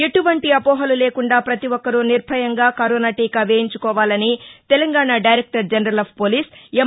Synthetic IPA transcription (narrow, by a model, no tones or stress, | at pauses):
eʈuʋɐɳʈiɐpɔːɦɐluleːkuɳɖaːpɾɐt̪iʋɔkːɐɾuniɾbʱɐjɐŋɡaːkɐɾoːnaːʈiːkɐʋeːjiɲt͡ʃukɔːʋaːlɐnit̪elɐŋɡaːɳaɖɐjɾek̚ʈɐɾd͡ʒɐnɐɾɐlɐbpoːliːse